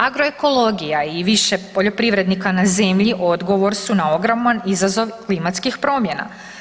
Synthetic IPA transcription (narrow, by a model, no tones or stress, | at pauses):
aɡɾo̞e̞ko̞lˠo̞ɡijaiʋiʃe̞po̞ʎo̞pɾiʋɾe̞d̪nikanaze̞mʎiʔo̞d̪ɡo̞ʋo̞ɾsunao̞ɡɾomanizazo̞ʋklimat̪skixpɾo̞ːmje̞na̰